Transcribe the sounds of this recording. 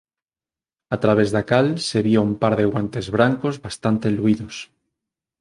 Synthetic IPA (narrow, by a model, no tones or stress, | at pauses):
at̪ɾaβ̞ezðakalseβjoumpaɾðeɣwant̪e̞zβɾaŋkozβast̪ant̪eluiðos